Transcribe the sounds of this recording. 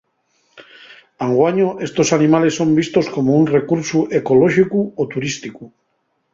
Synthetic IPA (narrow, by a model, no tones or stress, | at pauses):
aŋɡwaɲoʔe̞st̪o̞sanimale̞sːo̞mbist̪o̞sko̞mounre̞kuɾsuʔekoloʃikuot̪uɾist̪iku